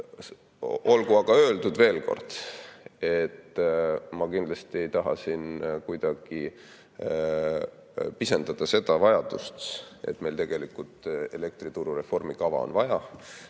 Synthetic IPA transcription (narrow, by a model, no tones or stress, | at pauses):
o̞lɡuɑɡ̥ɑøːld̪ud̪ve̞ːlko̞̰rd̪̥ | e̞t̪ːmɑkind̪lɑst̪ie̞jt̪ɑɦɑ̰sinkujd̪̥ɑɡ̥i | pisend̪̥ɑd̪̥ɑse̞d̪̥ɑvɑjɑd̪̥ust̪e̞̰t̪ːˑme̞lt̪e̞ɡ̥e̞likult̪e̞le̞k̚t̪ɾit̪uɾure̞fo̞rmikɑvɑ̰o̰nvɑjɑ